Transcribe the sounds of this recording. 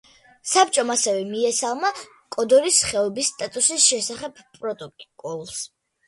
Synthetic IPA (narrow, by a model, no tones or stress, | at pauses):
sap̚t͡ʃʼɔmasɛvɛmiɛsalˠma | kʼɔd̪ɔɾisχɛɔbisːt̪ʼat̪ʼusisʃɛsaχɛbpʼɾɔt̪ʼɔkʼkʼɔlˠs